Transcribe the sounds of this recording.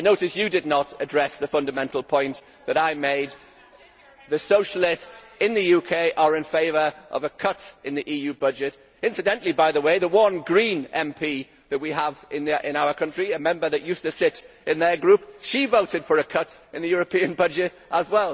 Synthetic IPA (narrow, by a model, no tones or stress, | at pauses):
ɪnoʊɾɨsjɨdɨdⁿnəɾɨdɹɛsðəfʌ̃ndəmɛ̃ntʰˡl̩ˠpʰɔ̃ɪ̃nʔ | ðəɾaɪmeɪd̪̚ | ðɨsoʊʃəl̩ˠɪstsɪ̃nðɨjʉkʰeɪʔə˞ɪ̃nfeɪvə˞ʔʌ̰vəkʰʌtɨ̃nðiʔiːjʉbʌd͡ʒɪt | ɪ̃nsɨdɛ̃nʔlibaɪðəweɪðəwʌnɡɹĩnɛ̃mpʰi | ðɨʔ̚wiəvɪ̃nɪ̃ñaʊə˞kʰʌ̃nt͡ʃɹ̥iɨmɛ̃mbə˞ðɨt͡ʃjʉstɨsɪɾ | ɨ̃nðə˞ɡɹʉpʃivoʊɾɨd̥fə˞ɨkʰʌɾɨ̃nðɨjʊɹɨpʰĩɨ̃nbʌd͡ʒɪt | ʔəzwɛlˠ